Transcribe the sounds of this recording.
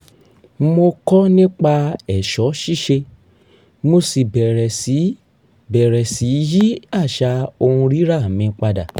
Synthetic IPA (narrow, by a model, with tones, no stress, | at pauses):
mo˧kɔ˦nĩ˦k͡pa˧ɛ˦˨ʃɔ˨˦ʃi˦ʃe˧ | mo˧si˨bɛ˨ɾɛ˨si˨˦ | bɛ˨ɾɛ˨si˨˦ji˦a˦˨ʃa˧o˧hũ˧ɾi˦ɾa˦˨mĩ˧k͡pa˧da̰˨